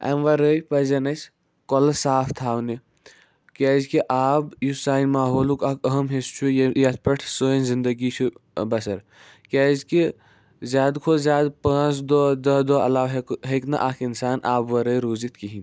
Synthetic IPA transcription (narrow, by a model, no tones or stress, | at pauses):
ɐ̰mʋɐɾəjpɐzɐnɐs | kolsaːpʰt̪ʰaːwne | kɛːzkiʔaːbjusaːinmaːɦoːlukakʰɐɦɐmɦest͡ʃʰujjɐt̪̚ʰpɐʈʰsoːjnzind̪əɡit͡ʃʰubɐsɐɾ | kʲɛːzki | zʲjaːd̪kʰozjaːd̪pãːt͡sʰd̪od̪ɐɦd̪oɐ̰laːʋɦeɦeknɐ̰ʔaːkʰinsaːnʔaːbʋɐɾəjɾoːzit̪kiɦin